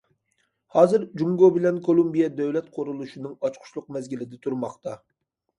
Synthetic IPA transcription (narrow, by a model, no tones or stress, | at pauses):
hɑːzɨɾd͡ʒuŋɡobɪlɛnkʰolˠumbijɛd̪ɛwlɛt̪qʰoɾulˠuʃinɨŋɑt͡ʃqʰʊ̥ʃlˠʊqmɛzɡʲilɪd̪ɛt̪ʰuɾmɑχt̪ɑ